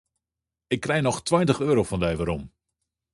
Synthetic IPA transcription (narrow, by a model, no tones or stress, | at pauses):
ɪkːrɛjnɔxtʋwajntəχøːɾowfɔndajʋaɾɔm